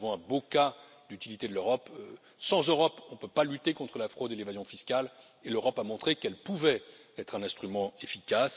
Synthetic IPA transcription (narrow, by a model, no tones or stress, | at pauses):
vɔ̃ɛ̃boka | d̪yt̪ilit̪ed̪əløʁɔp | sɑ̃zøʁɔpɔ̃pøpalyt̪ekɔ̃t̪χəlafχod̪elevazjɔ̃fiskal | eløʁɔpamɔ̃t̪χekɛlpuvɛɛt̪χɛ̃nɛ̃st̪χymɑ̃efikas